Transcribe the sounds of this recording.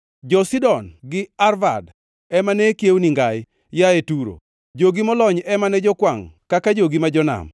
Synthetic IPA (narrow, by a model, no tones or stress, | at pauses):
d͡ʒɔsidɔnɡɪarva̰d | ɛmanɛkjewniŋɡaj | jaetuɾo̰ | d͡ʒoɡimɔlɔɲɛmanɛd͡ʒɔkwaŋkakad͡ʒoɡimad͡ʒɔna̰m